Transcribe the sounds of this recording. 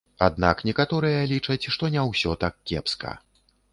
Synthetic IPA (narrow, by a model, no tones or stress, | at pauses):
ad̪na̰knʲɛkat̪ɔɾɨjɐlʲit͡ʂɐt͡sʲʂt̪ɔnʲɛwsʲɔt̪akkʲːɛ̰pskɐ̰